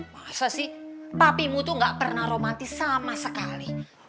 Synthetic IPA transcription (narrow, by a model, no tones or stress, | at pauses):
masasihpapimut̪uŋɡaʔpərnaɾomant̪isamasəkalih